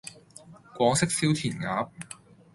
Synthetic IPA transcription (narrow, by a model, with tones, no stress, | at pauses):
kʷɔː˨˥ŋsɪ˥k̚siː˥wt̪ʰiː˨˩nŋa̰ː˨˥p̚